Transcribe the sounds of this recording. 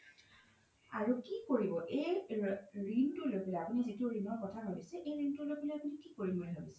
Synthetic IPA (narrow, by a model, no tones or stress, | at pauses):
aɹukikoɹibɔʔej | ɹintʊlojpelɔjapunizetiʊɹinɔɹkɔtʰaɦobisɛʔejɹintʊlojpelejapunikikoɹimolɛɦobisɛ̥